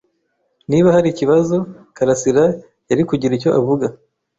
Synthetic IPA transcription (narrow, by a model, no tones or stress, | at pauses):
niːβahaɾiciβazo̞kaɾasiɾa | jaɾikuɟiɾico̞ʔavuɡa